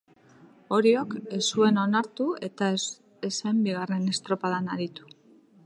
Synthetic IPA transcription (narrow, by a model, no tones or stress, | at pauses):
o̞ɾio̞ke̞sue̞no̞naɾt̪ue̞t̪a | esembiɣ̞are̞ne̞st̪ɾo̞paðanaɾit̪u̥